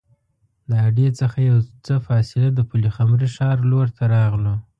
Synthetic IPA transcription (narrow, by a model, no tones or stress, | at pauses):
ləaɖjet͡səxajawt͡səfɑsɪlad̪əpulixamɾiʂɑɾloɾt̪ʰaɾɑɣlo